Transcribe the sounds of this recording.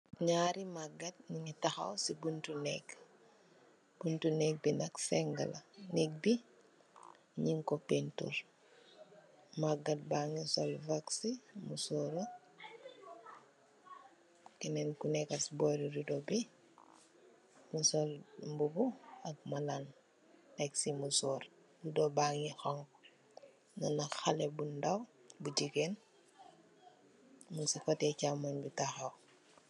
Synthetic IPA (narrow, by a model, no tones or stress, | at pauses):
ɲaɾimaɡːat̚niɲitaxa̰wsibuntunɛk | b̥untunɛk̚binɐksɛŋɡɐ̰lanɛk̚bi | ɲiŋkopentṵɾ | maɡat̚baŋisɔlvaksimusɔɾə | kɛnɛnkunɛkɐsbɔɾidudɔbi | misɔlmbubuɐk̚mɐlan | eksimusɔːɾ | dudɔbaŋixɔŋ | nɐnɐxalebundawbuɟiken | munsifɔtɛcamːanbitaxɐw